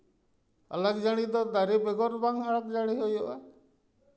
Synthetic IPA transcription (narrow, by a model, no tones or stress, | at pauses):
a̰laɡd͡ʒaɽ̃id̪ɔd̪aɾibɛɡɔɾbaŋaɭaɡd͡ʒaɽ̃iɦojɔʔa